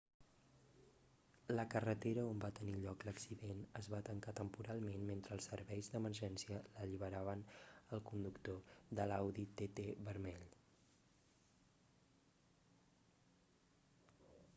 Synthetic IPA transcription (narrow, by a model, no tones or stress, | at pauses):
ləkərət̪eɾəombat̪əniʎɔkləksiðenəzβat̪əŋkat̪əmpuɾalˠmenment̪ɾəːlˠsəɾβɛjzðəmərʒɛnsiələʎiβ̞əɾaβ̞ənəlˠkund̪ukt̪oðəlawðit̪et̪eβəɾmɛʎ